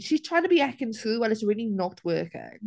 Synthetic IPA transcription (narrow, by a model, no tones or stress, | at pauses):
ʃiz̥tʰɹ̥aɪ̃ŋtəbiækɪ̃nsuːwaɪlɪtsəɹilinɔk̚tʰwɜːˑkə̰